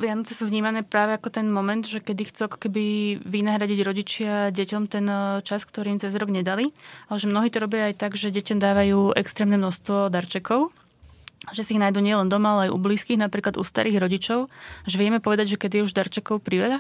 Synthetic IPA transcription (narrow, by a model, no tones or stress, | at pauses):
ʋɪanɔt͡sɛsuːʋɲiːmanɛːpɾaːʋɛakɔt̪ɛnmɔmɛnd̪ʒɛkɛd̪ixt͡suakɔ̥kɛbiʋinaɦɾaɟiɟɾɔɟit͡ʃɪaɟɛcɔmt̪ɛnt͡ʃaskt̪ɔɾiːmt͡sɛzɾɔɡɲɛd̪alialɛʒɛmnɔɦiːt̪ɔɾɔbɪaajt̪aɡʒɛɟɛcɔmd̪aːʋajuːʔɛ̰kst̪ɾɛːmnɛmnɔst̪ʋɔd̪aɾt͡ʃɛkɔʊ | ʒɛsiiɣnajd̪uːɲɪɛlɛnd̪ɔmaalɛajʔṵbliːskiːɣnapɾiːklad̪ṵst̪a̰ɾiːɣɾɔɟit͡ʃɔʊaʒɛʋɪɛmɛpɔʋɛd̪aɟʒɛkɛd̪ijɛuʒd̪aɾt͡ʃɛkɔʊpɾiʋɛla